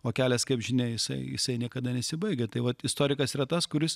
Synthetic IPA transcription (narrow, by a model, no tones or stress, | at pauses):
oːkʲæːlʲɛskɐɪpʒʲɪnʲɛɪjɪsɐɪjɪ̰sɐɪnʲiɛkɐd̪ɐnʲɛsʲɪbɐɪɡʲet̪ɐɪʋɐt̪ɪst̪oːɾʲɪkɐsiːɾɐt̪ɐskʊɾʲɪs